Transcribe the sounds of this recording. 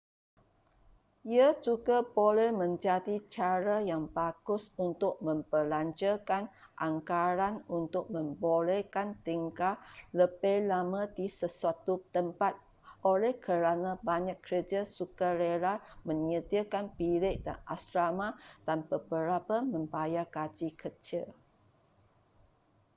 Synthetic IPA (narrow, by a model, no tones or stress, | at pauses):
iad͡ʒuɡabolɛhmə̃ɲd͡ʒadit͡ʃaɾajaŋbaɡʊsunt̪ʊk̚mə̃mpəlaɲd͡ʒəkanʔaŋkaɾanunt̪ʊk̚mə̃mbolɛkant̪iŋkaləbejlamãdisəsuat̪ut̪əmpat̪̚ | olɛhkʰəɾanãbaɲakːəɾəd͡ʒasukaɾeɾamə̃ɲət̪iəkanpilɪʔda̰na̰sɾamãd̥anbəbəɾapamə̃mbajakad͡ʒikət͡ʃɪl